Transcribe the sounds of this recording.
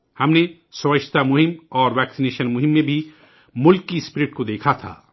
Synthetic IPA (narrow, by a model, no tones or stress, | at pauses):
hɐmne | sɔɐʃʰt̪amʊɦimɔːɾʋɛksineʃɐnmʊɦimːebʱi | mʊlkːispiɾiʈkod̪ekʰat̪ʰa̰